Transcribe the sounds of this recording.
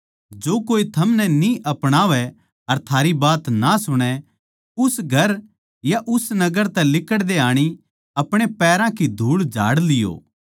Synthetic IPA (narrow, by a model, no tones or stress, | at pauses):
d͡ʒoːkoːit̪ʰɐmnɛnĩʔɐpɽ̃aːʋɛ | ɐɾt̪ʰaːɾibaːt̪nasʊɽ̃ɛ | ʊsɡʱɐɾ | jaʔʊsnɐɡəɾt̪ɛ̃lɪkəɽd̪eaːɽ̃i | ɐpɽ̃epɛːɾãkid̪ʱuːɽd͡ʒa̰ːɽlɪjo̰ː